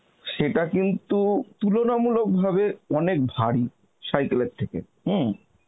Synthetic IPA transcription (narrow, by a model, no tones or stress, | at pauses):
ʃeʈakint̪ut̪ulonamulok̚bʱabeɔnek̚bʱaɽi | ʃajkoleɾt̪ʰːekḛ | ɦ̩